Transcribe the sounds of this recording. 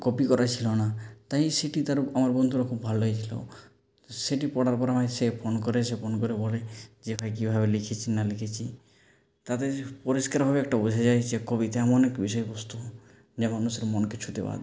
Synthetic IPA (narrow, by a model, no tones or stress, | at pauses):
kɔpikɔɾat͡ʃʰilonat̪aɦĩseʈit̪aɾamaɾbɔnd̪ʱuɾekʰubːʱalojt͡ʃʰilo̰ | seʈipɔɽaɾpɔɾamaesepʰonkɔɾesepʰonkɔɾebɔled͡ʒepʰajk̬ibʱabelikʰit͡ʃʰinalikʰet͡ʃʰi | t̪at̪epɔɾiskaɾbʱabeɛkʈabud͡ʒʱad͡ʒajt͡ʃekɔbit̪eamɔnekbisɔebɔst̪u | d͡ʒamanusɔɾmɔnket͡ʃʰut̪eba̰d̪